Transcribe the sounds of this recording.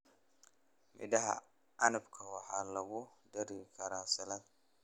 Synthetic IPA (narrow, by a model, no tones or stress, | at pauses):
mɪ̰dɐɦa̰ | anɪbkʰɐwaħalɐɡudɐɾikɐɾasɐlɐn